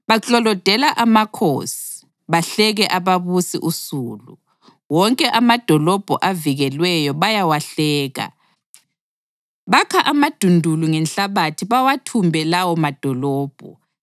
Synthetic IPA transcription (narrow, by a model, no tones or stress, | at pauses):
βat͡ɬʼɔlɔd̥ʱɛlaʔamakʰo̰si̥ | βaɬɛɣɛʔaβaβusḭʔusuːlṵ | wɔŋkʼɛʔamad̥ʱɔlɔb̥ʱɔʔaviɣɛlwɛjɔβajawaɬɛːɣa̰ | βakʰaʔamad̥ʱundʱuluŋɛnɬaβatʰiβawatʰumbʱɛlawɔmad̥ʱɔlɔːb̥ʱɔ̰